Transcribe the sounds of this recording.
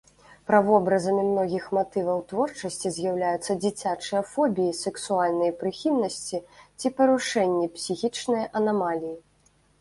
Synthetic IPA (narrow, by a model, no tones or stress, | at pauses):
pɾɐvɔbɾɐzɐmʲimnɔɣʲixmat̪ɨvɐwt̪vɔrt͡ʂɐsʲt͡sʲizʲjawlʲajut̪sːɐd͡zʲit͡sʲat͡ʂɨjɐfɔbʲijisɛksualʲnɐjɐpɾɨxʲilnɐsʲt͡sʲit͡sʲipɐɾuʂɛnʲːipsʲixʲit͡ʂnɨjɐʔɐnamalʲiji